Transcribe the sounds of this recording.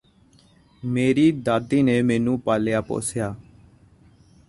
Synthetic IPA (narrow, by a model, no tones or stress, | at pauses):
meːɾiːd̪aːd̪iːneːmeːnũːpaːlɪjaːpo̰ːsjaː